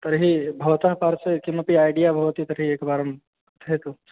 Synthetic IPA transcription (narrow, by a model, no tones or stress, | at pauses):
t̪əɾɦibʱɐʋt̪apaːɾsekiməpiaːɪɖijabʱɐɦʊt̪it̪əɾɦieːkbaːɾəm | t̪ʰɦet̪o